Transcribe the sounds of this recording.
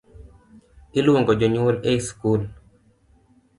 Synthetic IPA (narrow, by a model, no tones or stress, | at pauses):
ɪlwoŋɡɔd͡ʒɔɲwoleiskul